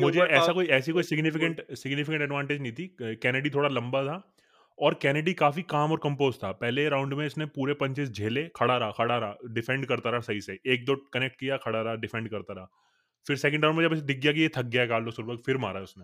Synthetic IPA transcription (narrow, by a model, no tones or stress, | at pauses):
mʊd͡ʒʱeɛːsakoːiɛːsikoːisɪɡnɪfɪkə̃ɳʈsɪɡnɪfɪkə̃ɳʈɛɖʋãːɳʈed͡ʒnɐɦĩt̪ʰikɛːnəɖit̪ʰoːɽalɐ̃mbat̪ʰa | ɔːɾkɛːnəɖikaːfikaːmɔːɾkɐ̃mpoːzt̪ʰapɛɦleɾãːʊ̃ɳɖmẽɪsnẽpuːɾepɐ̃ɲt͡ʃɪsd͡ʒʱeːlekʰɐɽaɾɐakʰɐɽaɾaɖɪfɛ̃ɳɖkɐɾt̪aːɾasɐɦiseeːk̚d̪okɐnek̚ʈ̚kijakʰɐɽaɾaɖɪfɛ̃ɳɖkɐɾt̪aɾaa | fɪɾsɛːkə̃ɳɖɾaːʊ̃ɳmʊd͡ʒeɐbɪs̬d̪ʱɪɡjak̬ijet̪ʰɐk̚ɡjaɦɛkaːlloːsʊɾbəkfɪɾma̰ːɾaːɦɛʊsmẽː